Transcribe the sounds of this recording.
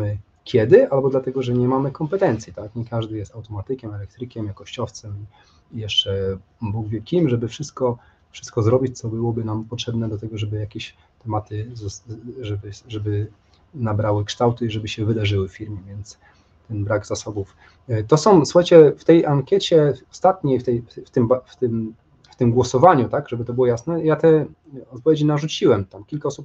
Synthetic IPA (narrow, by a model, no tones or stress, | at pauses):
mɘ | kʲʰjɛd̪ɘalbɔd̪lat̪ɛɡɔʐɛɲɛmamɘkɔmpɛt̪ɛnt̪sʲjit̪akɲɛkaʐd̪ɘjɛst̪awt̪ɔmat̪ɘkʲɛmɛlɛk̚t̪ɾɘkʲɛmjakɔɕt͡ɕɔft̪sɛmi | ijɛʂt͡ʂɛ | buwvʲɛlkʲimʐɛbɘfʂɘst̪kɔ | fʂɘ̥st̪̚kɔzɾɔbʲit͡ɕt̪sɔbɘwɔbɘnampɔtʂɛbnɛd̪lat̪ɛɡɔʐɛbɘjakʲeɕ | t̪ɛmat̪ɘzʐɛbɘʐɛbɘ | nabɾawɘkʂt̪awt̪ɘiʐɛbɘɕɛvɘd̪aʐɘwɘffʲːiɾmʲjɛvʲjɛnt̪s | t̪ɛnbɾaɡz̥asɔbuf | t̪ɔsɔ̃w̃su̥xajt͡ɕɛft̪ɛjʔaŋkʲjɛt͡ɕɛɔst̪at̪ɲejft̪ɛjft̪ɘmbaft̪ɘm | ft̪ɘmɡwɔsɔvaɲut̪aɡʐɛbɘt̪ɔbɘwɔjasnɛjat̪ɛ | ɔt̪̚pɔvʲjed͡ʑinaʐut͡ɕiwɛmt̪amkʲilkaɔsup̚